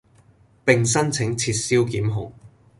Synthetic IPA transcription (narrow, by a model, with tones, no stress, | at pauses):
pɪ˨ŋs̬ɐ˥nt͡sʰɪ˨˥ŋt͡sʰiː˧t̚siː˥wkiː˨˥mɦʊ̰˨˩ŋ